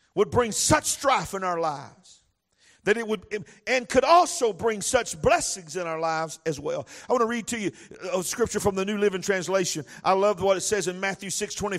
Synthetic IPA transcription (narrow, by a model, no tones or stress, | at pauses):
wəd̚bɹɪ̃ŋsʌt͡ʃstɹ̥aɪfɨ̃naʊə˞laɪvz̥ | ðɨɾɨt̚wəd̚ɨ̃nkʰɨɾɔlˠsoʊbɹɪ̃ŋsʌt͡ʃblɛsɪ̃ŋzɨ̃ñaʊə˞laɪvzɨzwɛ̰lˠaɪwɑ̃nəɹid̚tʰɨjɨəskɹɪp̚t͡ʃə˞fɹʌ̃mðɨnʉlɪvɪ̃ŋtʰɹ̥æ̃nsleɪʃɨ̃nʔaɪlʌvwʌɾɨtsɛzɨ̃nmæθjʉsɪkstʰw̥ɛ̃ɾ̃i